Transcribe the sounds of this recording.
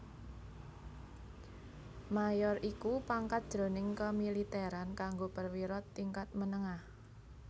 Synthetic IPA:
majɔrʔikupaŋkat̪̚d̥ʒ̥ɾo̤nɪŋkəmilit̪ɛɾankaŋɡobərwiɾɔt̪ːiŋkat̪̚mənəŋah

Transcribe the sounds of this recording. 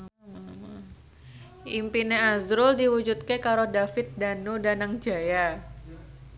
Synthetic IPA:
ʔimpineazɾʊldiwud͡ʒut̪̚kekaɾodafɪt̪̚danudanaŋd͡ʒaja

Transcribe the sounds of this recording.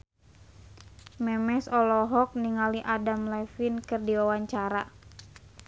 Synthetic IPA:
mɛmɛsɔlɔɦɔk̚niŋaliʔadamlɛfinkɨrdiwawaɲt͡ʃaɾa

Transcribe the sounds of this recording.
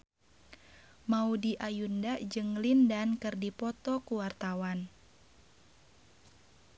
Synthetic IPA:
maudiʔajundaʔd͡ʒɨŋlindankɨrdipɔt̪ɔkuwart̪awan

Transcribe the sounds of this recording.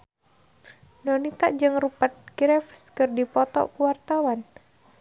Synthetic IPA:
nɔnit̪a̰ʔd͡ʒɨŋrupat̪̚ɡɾɛfskɨrdipɔt̪ɔ̰ʔkuwart̪awan

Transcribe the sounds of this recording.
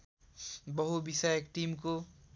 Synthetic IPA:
bʌɦubisajekʈimko

